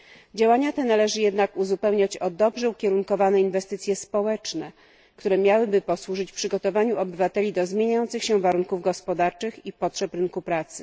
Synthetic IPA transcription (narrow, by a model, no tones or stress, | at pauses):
d͡ʑawaɲat̪ɛnalɛʐɘjɛd̪nakuzupɛwɲat͡ɕɔd̪ɔbʐɛukʲɛɾuŋkɔvanɛinvɛst̪ɘt̪sʲjɛspɔwɛt͡ʂnɛ | kt̪uɾɛmʲjawɘbɘpɔswuʐɘt͡ɕpʂɘɡɔt̪ɔvaɲuɔbɘvat̪ɛlʲid̪ɔzmʲjeɲajɔnt̪sɘxɕɛvaɾuŋkuvɡɔspɔd̪aɾt͡ʂɘxipɔtʂɛpɾɘnkupɾat̪sɘ̥